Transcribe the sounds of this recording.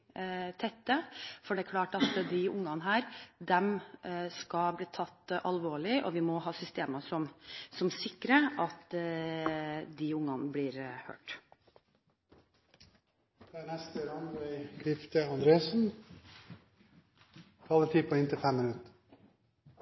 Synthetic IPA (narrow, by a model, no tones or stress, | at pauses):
t̪ʰɛt̪ːəfɔɖɛæɾkʰlɑːʈɑt̪d̪ɪʊŋːɑnəɦæːɾd̪ɛmskɑbliːt̪ʰɑt̪ːʔɑlʋoːɭɪʔɔ̰ʋɪmɔhɑːsʏst̪eːməsɔmsɔmsɪkːɾəɑt̪ | d̪ɪʊŋːɑnbliːɾhø̰ːʈ | d̪̥ɛæːnɛst̪əɾɑnæɪkʰɾɪft̪əɑnd̪ɾeːsn̩ | kʰɑlət̪ʰiːpʰoɪnt̪ʰɪfɛmːɪnʉt̪ə̥